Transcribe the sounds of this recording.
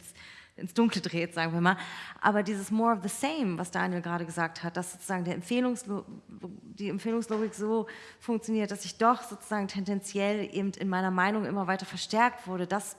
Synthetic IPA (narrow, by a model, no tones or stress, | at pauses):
sʔɪnsd̥ʊŋklədʁeːtz̥aːɡŋ̩viːɐmaːlʔa̰ːbɐdiːzəsmɔːɐɔfðəseɪmvasd̥aːnjɛlɡʁaːɾəɡəzaːk̚that̚d̥asz̥oːt͡suzaːɡŋ̩dɛːɐɛmfeːlʊŋs | d̥iːɛmfeːlʊŋsloːɡɪkz̥oː | fʊŋkt͡sjoniːɐt̚d̥asɪçd̥ɔχz̥oːt͡su̥z̥aːɡŋ̩tʰɛndɛnt͡sjɛlʔḛːbm̩tɪnmaɪnɐmaɪnʊŋʔɪ̰mɐvaɪtɐfɛɐʃtɛɐk̚tv̥ʊɐɾədas